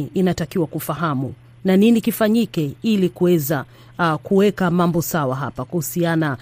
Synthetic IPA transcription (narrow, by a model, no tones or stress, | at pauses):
inatakiwakufaɦamu | naninikifaɲikɛilikuwɛza | kuwɛkamambɔsawaɦa̰pakahusiana